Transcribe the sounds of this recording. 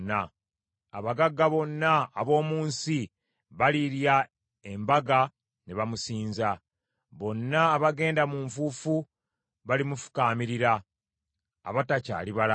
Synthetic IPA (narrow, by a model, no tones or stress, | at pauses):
nːa | aβaɡaɡːaβo̞nːaːβo̞ːmuːnsi | βaliɾja | e̞mbaɡa | ne̞βamusiːnza | βo̞nːaːβaɡe̞ːndamuɱfuːfu | βalimufu̥kaːmiɾiɾaː | βataca̰ːliβala